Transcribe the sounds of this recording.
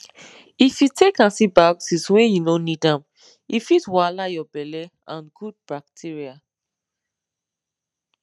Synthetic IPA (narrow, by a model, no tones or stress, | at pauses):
ifjutʰekãnsibaksiswẽjunonidãm | ifitwalajɔbɛlɛ | ãnɡud̚bak̚tʰiɹia